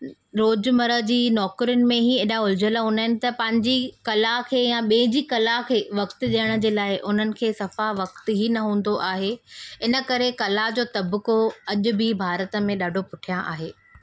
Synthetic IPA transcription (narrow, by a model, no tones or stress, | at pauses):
ɾoːd͡ʑmɐɾəd͡ʑiːnɔːkɾiʊnɪ̆mẽɦieːɗaʊld͡ʑəlaɦʊ̃ːnaɦɪnɪ̆t̪ɐpɐ̃ɦɪ̃ɲd͡ʑikɐlakʰeːjãɓĩɦɪ̃d͡ʑiːkɐlakʰeːʋɐkt̪ʊ̆ɗijəɽ̃̆d͡ʑeːlaːɪʔʊn̤ənɪ̆kʰeːsɐfaʋɐk̚t̪ɦinɐɦũːn̆d̪oʔaːɦeɪnə̆kɐɾekɐlaɦd͡ʑoːt̪ɐbkoɐʄʊ̆bɪbʱaːɾət̪ə̆mẽɗaːɖʱopʊʈʰijãʔa̰ːɦeː